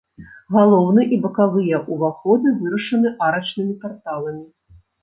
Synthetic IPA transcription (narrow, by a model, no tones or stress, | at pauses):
ɣalˠɔwnɨʔibɐkavɨjɛʔuvaxɔd̪ɨvɨɾɐʂɐnɨʔaɾɐt͡ʂnɨmʲipart̪alˠɐmʲi